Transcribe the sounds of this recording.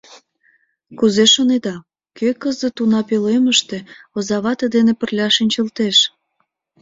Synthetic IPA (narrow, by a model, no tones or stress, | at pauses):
kuzeʃoned̪ɑ | kʰøkəzət̪unɑpeleməʃt̪e̽ozɑβɑt̪əd̪enepərlʲɑʃinʲt͡ɕəlt̪eʃ